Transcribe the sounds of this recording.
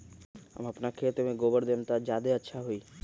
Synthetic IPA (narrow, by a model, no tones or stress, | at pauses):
ə̰məpnakʰet̪emẽɡobəɾd̪emt̪ad͡ʒjaːd̪eətːʃʰaɦuiː